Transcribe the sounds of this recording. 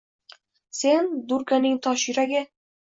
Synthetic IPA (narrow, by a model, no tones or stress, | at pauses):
send̪uɾkanɪŋt̪ʰɒʃiɾaɡʲa